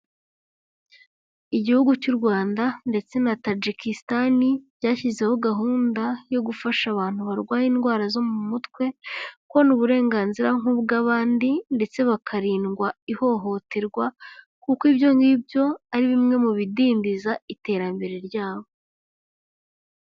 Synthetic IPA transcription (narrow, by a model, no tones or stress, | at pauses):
iɟihuɡucuɾɡwaːndande̞t͡se̞natad͡ʒikistanibɟaːçize̞ho̞ɡaɦuːndajo̞ɡufaʃaβaːn̥huβaɾɡwaːjiːnɡwaːɾazo̞mumutkwe̞kwo̞nuβuɾe̞ːŋɡaːnziɾaŋ̥huːbɡaβaːndinde̞t͡se̞βakʰaɾiːnɡwaiho̞ɦo̞teɾɡwa | kukibjo̞ŋɡibjo̞aɾiβimŋe̞muβidiːndizaite̞ːɾambe̞ɾe̞ɾɟaːβo̞